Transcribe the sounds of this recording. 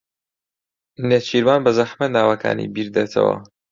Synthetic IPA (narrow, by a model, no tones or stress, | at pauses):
net͡ʃʰiɾmaːnbɐzɐħmɐnaːwɐkʰa̰ːnḭbiːɾd̪et̪ʰɐ̰wɐ̰